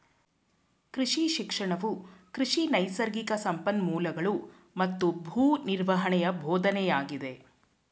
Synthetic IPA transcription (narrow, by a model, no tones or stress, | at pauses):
kɾiʂiʃikʂɐɳɐʋukɾiʂinɐjsɐɾɡikɐsɐmpɐnmuːlɐɡɐɭu | mɐt̪ːubʱuːniɾʋɐɦɐɳɛjɐbʱɔːd̪ɐnɛjaːɡid̪e̞